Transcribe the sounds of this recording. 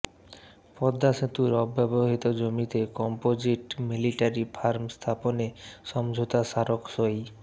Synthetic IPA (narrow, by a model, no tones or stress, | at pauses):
pɔd̪ːaʃet̪uɾɔbːɛboɦit̪od͡ʑomit̪ekɔmpod͡ʑiʈmiliʈaɾifʰaɾmst̪ʰaponeʃɔmd͡ʑʱot̪aʃaɾokʃoj